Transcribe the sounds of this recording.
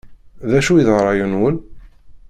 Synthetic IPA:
ðæʃuiðʁɾˤɑjunwəl

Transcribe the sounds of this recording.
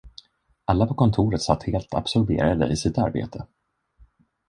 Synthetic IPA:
alːapʰɔkʰɔnt̪ʰuːɾət̪sat̪heːlt̪ʰa̰b̥sɔɾbḛːɾad̪ə̰ʔɪsɪt̪a̰ɾbḛːt̪ʰə

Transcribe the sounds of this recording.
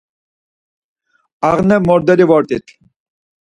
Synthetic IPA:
aʁnɛmɔɾd̪ɛɾivɔɾt̪it̪ʰ

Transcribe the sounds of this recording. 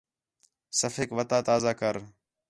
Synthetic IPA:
səfeːkʋət̪aːt̪aːzaːkəɾ

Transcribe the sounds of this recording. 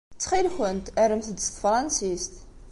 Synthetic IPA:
t͡sːχilxənt̪əɾəmθəd̪st̪fɾˤɑnsist̪

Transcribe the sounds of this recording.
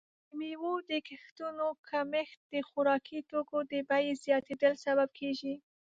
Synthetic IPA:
miwod̪əkɪxt̪unokʰamext̪̚d̪əxʊɾɑkʰit̪okod̪əbajezjɑt̪ed̪əlsabab̚kʰeʒi

